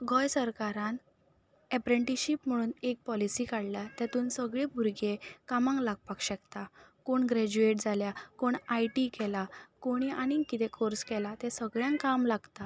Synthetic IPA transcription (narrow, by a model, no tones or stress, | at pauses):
ɡʱɔjsəɾkaɾãn | ɛpɾẽɳʈiɕipm̤əɽ̃uːnek̚pɔlisiːkaɽljat̪jat̪uːnsəɡɭebʱuɾɡekamãŋklaɡ̚pakɕəkt̪akoɳɡɾɛd͡ʑueʈd͡zʱaljakoɳajʈikɛlakoɽ̃iʔaɽ̃ikit̪ekʰoɾskɛlat̪esəɡɭjãŋkamlaɡt̪a